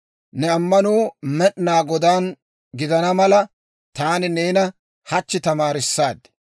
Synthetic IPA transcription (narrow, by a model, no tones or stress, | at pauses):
nɛɐmːɐnuːmɛɗnaːɡɔd̪aːn | ɡɪd̪ɐnɐmɐlɐ | t̪aːnɪneːnɐ | hɐt͡ʃːɪt̪ɐmaːɾɪsːaːd̪